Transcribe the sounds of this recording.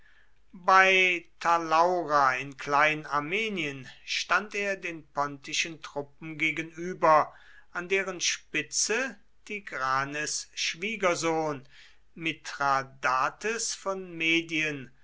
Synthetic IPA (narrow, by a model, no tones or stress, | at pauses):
baɪtʰalaʊʁaɪnkl̥aɪnənaɐmeːniənʃtanteːɐdeːnpɔntɪʃəntʁ̥ʊp̚m̩ɡeːɡənyːbɐ | ʔandeːʁənʃpɪt͡sə | d̥iɡʁaːnəsʃv̥iːɡɐzoːn | mɪtʁadaːtəsfɔnmeːdiən